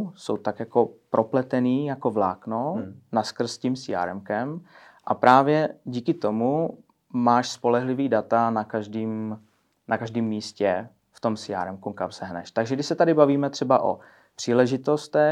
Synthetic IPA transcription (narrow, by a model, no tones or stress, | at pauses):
so̰wt̪akjako̞pɾʔo̞plɛt̪ɛniːjako̞vla̰ːknonaskr̩scimsɪja̰ɾɛmkɛm | ʔapɾʔaːvjɛɟiːkɪt̪o̞mu | maːʃspo̞lɛɦlɪviːdat̪anakaʒdiːm | nakaʒdiːmːiːscɛ | ft̪o̞msɪja̰ɾɛmkukamsɛɦnɛ̰ʃt̪aɡʒɛɡdɪʃsɛt̪adɪbaviːmɛt̪r̥ɛbaʔo̰ | pr̥iːlɛʒɪt̪ost̪ɛ